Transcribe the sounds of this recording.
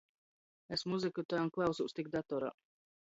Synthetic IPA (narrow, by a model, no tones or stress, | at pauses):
esmuzɨkut̪ajnklˠawsust̪ik̚d̪at̪ɔɾa̰